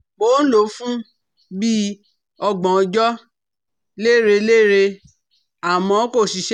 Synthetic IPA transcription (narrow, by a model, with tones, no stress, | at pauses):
k͡poː˨˦n̩˦lo˨˦fũ˦ | bi˦ | ɔ˧ɡ͡bɔ̃˨˧d͡ʒɔ˦ | le˦˨ɾe˧le˦˨ɾe˧ | a˨mɔ̃˨˧˦ko˦˨ʃi˨˧ʃ